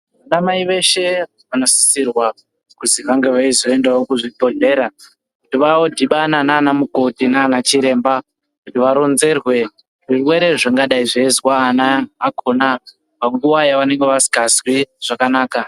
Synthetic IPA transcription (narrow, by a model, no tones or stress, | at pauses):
ʋanamaiʋe̞ʃe̞ | ʋano̞si̥sirwa | kuziʋaŋɡe̞ʋaizo̞e̞ndaokuʐibʱo̞ɮe̞ɾa | kutiʋawodʱiɓananaːnamuko̞tinaːnat͡ʃiɾe̞ːmba | kutiʋaɾo̞nze̞rwe̞ | ʐirwe̞ɾe̞ʐaŋɡaɗaiʐeːzwaːnaːkʰo̞na | paŋɡuwajaʋane̞ŋɡe̞ʋasi̥kazwiʐ̥akanaːka